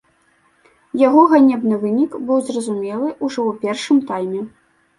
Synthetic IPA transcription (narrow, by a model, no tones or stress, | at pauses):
jaɣɔɣanʲɛbnɨvɨnʲikbɨwzrɐzumʲɛlˠɨʔuʐɔwpʲɛrʂɨmt̪ajmʲɛ